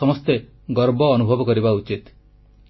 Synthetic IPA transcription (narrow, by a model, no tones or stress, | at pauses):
ɔmɔst̪e | ɡɔɾbɔːnubʱɔbɔkɔɾibaut͡ʃit̪